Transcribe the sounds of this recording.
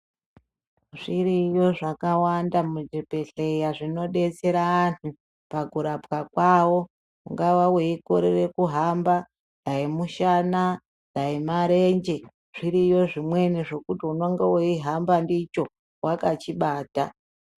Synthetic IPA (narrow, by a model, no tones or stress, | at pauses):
ʐiɾijo̞ʐakawandamud͡ʒepe̞ɬejaʐino̞ɗe̞t͡se̞ɾaːntu | paɡʱuɾapkakwawo̞ | ṵŋɡawaweikoɾere̞kuɦamba | aimuʃana | daimaɾe̞ɲd͡ʒe̞ | ʐ̥iɾiːjo̞ʐimwe̞niʐo̞kutiuno̞ŋɡeweiɦambandit͡ʃo̞ | wʔakat͡ʃiɓaːta